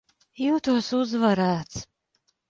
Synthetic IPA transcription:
juːt̪uɔsuzvaɾaːt̪s

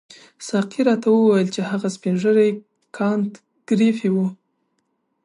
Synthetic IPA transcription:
sɑqiɾɑt̪awəwajəlt͡ʃehaɣaspinʒəɾaj | kʰɑnt̪ | ɡ̥ɾifiwu

